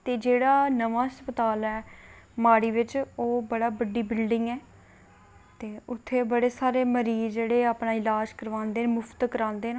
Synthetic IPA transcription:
t̪eːd͡ʒeːɽaːnəʋãːəspət̪aːlɛː | maːɽiːʋɪt͡ʃoːbəɽaːbəɖːiːbɪlɖɪŋɡɛː | t̪eːʊt̪ʰːeːbəɽeːsaːɾeːməɾiːd͡ʒeːɽeːaːpɳãːɪlaːd͡ʒkəɾʋãːnd̪eːnːmʊfʰt̪kəɾãːnd̪eːna

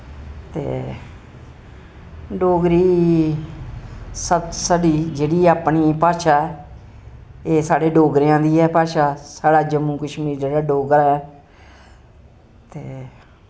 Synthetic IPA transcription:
t̪ḛː | ɖoːɡɾiː | sət̪səɖiːd͡ʒeːɽiːaːpɳiːpaːɾʃaːɛ | eːsaːɽeːɖoːɡɾɪjãːd̪iːɦɛːpaːʃaːsaːɽaːd͡ʒəmːũːkəʃmiːɾd͡ʒeːɽaːɖoːɡəɾɛː | t̪eː

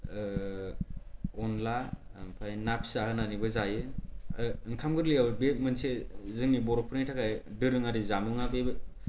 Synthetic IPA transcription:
ɔnlapʰajnapʰsahɯnanibɯzajɯ | ɯŋkʰamɡɯɾlijawbemɯnsezɯŋnibɔɾɔpʰɯɾitʰakajdɯɾɯŋaɾizamuŋabeb

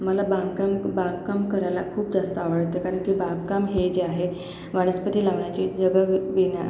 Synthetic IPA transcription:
məlabãŋkambaɡkamkəɾajlakʰuːpd͡zast̪əaʋəɽt̪ekaɾəɳkibãɡkamɦed͡ʑeaɦe | ʋaɽ̃əspət̪iːlaʋɳjat͡ɕid͡ʑəɡəʋina̰

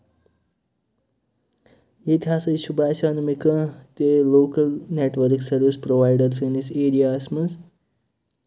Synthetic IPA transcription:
jet̪ʰɦaːsɐʃubʱaːsaːnmikɐt̪eloːkɐlneʈʋəɾksɐɾʋispɾoʋajɖəɾseniseːɾijaːsmɐs

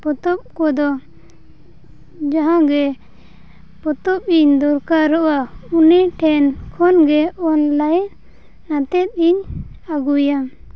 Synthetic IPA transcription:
pɔt̪ɔp̚kɔd̪ɔ | d͡ʒaɦãɡɛ | pɔt̪ɔp̚iɲd̪ɔɾkaɾɔʔauniʈʰɛnkʰɔnɡɛɔnlaj | nat̪ɛt̪̚iɲ | aɡujam

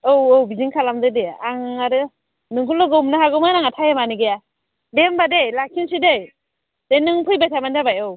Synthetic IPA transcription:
owɔwbiziŋkʰalamdɯdeaŋaɾɯ | nɯŋkʰulːɔɡɯmnaɦaɡɯmanaŋatʰajemanɯɡeja | dembadejlakʰinsidej | d̥enɯŋpʰɯjbajtʰabandabajɯw

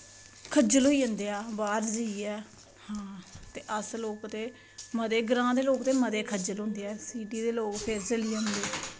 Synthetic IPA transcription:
kʰəd͡ʒəlɦoːiːə̃nd̪eːaːbaːɾd͡ʒiiːɛː | hãːt̪eːʔəsloːkt̪eː | məd̪eːɡəɾãːd̪eːloːkt̪eːməd̪eːkʰəd͡ʒəlɦʊ̃ːnd̪eːɛːsiːɖiːd̪eːloːkpʰeːɾsəliːə̃nd̪eː

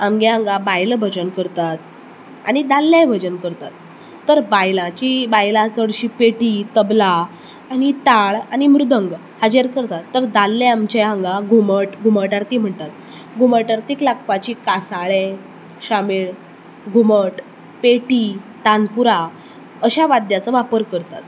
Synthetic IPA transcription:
amɡaɦãŋɡabajlbʱəd͡ʑənkəɾt̪at̪ | a̰ñid̪alːajbʱəd͡ʑənkəɾt̪at̪ː | əɾbajlãt͡ɕibajlat͡səɽɕiːpeʈit̪əbla | añit̪aɭañimɾud̪ʱəŋɡ | had͡ʑeɾkəɾt̪at̪ːəɾd̪alːeamt͡ɕeãŋɡaɡʱuməʈɡʱuməɭʈaɾt̪iːm̤əɳt̪at̪ | ɡʱuməɭʈaɾt̪iːklak̚pat͡ɕiːkasaɭe | ɕamiɭ | ɡʱuməʈ | peʈit̪anpuɾa | əɕaʋad̪jat͡səʋapəɾkəɾt̪at̪

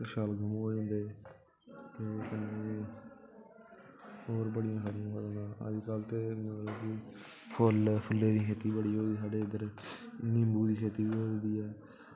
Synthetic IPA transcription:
ʃaːlɡəmoːeːɦʊ̃nd̪eː | t̪eoːkənːeːnẽː | oːɾbəɽɪjãːkʰaɾɪjãːɦoːd̪anãːə̰d͡ʒkaːlt̪eːmə̃nlaːkɪ | pʰʊlpʰʊlːeːd̪iːkʰeːt̪iːbəɽiːoːd̪iːsaːɖeːɪd̪əɾnɪmbuːd̪iːkʰeːt̪iːʋiːɦoːd̪iːɛː

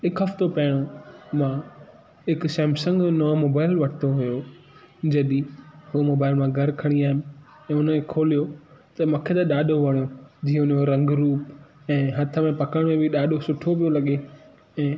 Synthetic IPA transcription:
ɦɪkɦɐft̪opɐɦɪɽ̃omã | ɦɪksɛ̃ːmsə̃ŋɡnɔːmoːbaːɪlʋɐʈʰt̪ʰoɦʊjo | d͡ʑɐɗĩɦumoːbaːɪlmãɡʱɐɾkʰɐɽ̃iaːɦɪmɪ | ɛ̃ːʊnmẽkʰoːlijot̪ɐmũːkʰet̪ɐɗaːɗʱoʋɐɽ̃ijod͡ʑiːə̃ʊnjoɾɐ̃ŋɡɾuːp | ɛ̃ːɦɐt̪ʰə̆mẽpɐkəɽ̃mẽbʱɪɗaːɗosʊʈʰoʋijolɐɠe | ɛ̃ː

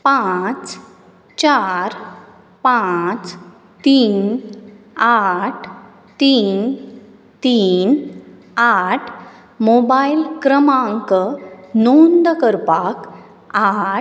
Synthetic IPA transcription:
pãt͡s | t͡ɕaɾ | pãt͡s | t̪iːn | aʈʰ | t̪iːn | t̪iːn | aʈʰ | mobailkɾəmaŋkənond̪əkəɾpak | a

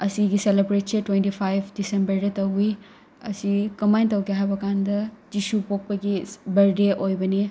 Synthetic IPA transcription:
ɐsiɡiselebɾet̚setwentipʰajbʰdisembɐɾdɐtɐwi | ɐ̰sikɐmajntɐwkeɦajbɐkandɐd͡ʒisupok̚pɐɡibɐɾdeʔojbɐni

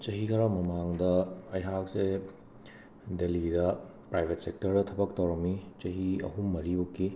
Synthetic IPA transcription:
t͡ʃɐɦikʰɐɾamɐmaŋdɐɐjɦak̚se | delidɐpɾajbʱet̚sek̚tɐɾdɐtʰɐbɐk̚tɐwɾɐmit͡ʃɐɦiɐ̰ɦumːɐɾibukːi

